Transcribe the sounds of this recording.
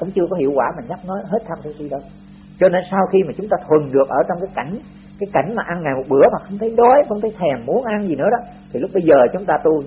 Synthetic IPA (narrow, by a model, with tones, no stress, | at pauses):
kʊ̰˧˥ŋ͡mt͡ɕɨ˧əkɔ˨˦hḭ˧˨əwkwaː˧˩maː˨˩ɲa˦˥p̚nɔ˨˦ɦe˦˥t̚t̪ʰa˧mt̪ʰi˨˦si˧ɗə˧w | t͡ɕɔ˧ne˧nsaː˧wxi˧maː˨˩t͡ɕʊ˨˦ŋ͡mt̪aː˧t̪ʰwə˨˩nɗɨ˨˩ək̚ʔəː˧˩t͡ɕɔ˧wŋ͡mkaː˨˦jka˧˩jŋ̟ | kaː˨˦jka˧˩jŋ̟maː˨˩ʔa˧nŋaː˨˩jmo˨˩t̚ɓɨ˧˩əmaː˨˩xə˧wŋ͡mt̪ʰə˨˦jɗɔ˨˦jxə˧wŋ͡mt̪ʰə˨˦jt̪ʰɛ˨˩mːu˨˦ənʔa˧nzi˨˩nɨ̰˧˥əɗɔ˨˦ | t̪ʰi˨˩lk͡p̚ɓə˧jzəː˨˩t͡ɕʊ˨˦ŋ͡mt̪aː˧t̪u˧